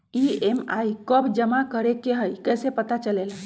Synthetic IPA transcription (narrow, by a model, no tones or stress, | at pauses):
iemajkəbd͡ʒəmakəɾekeɦəjkəjsepət̪at͡ʃəlelə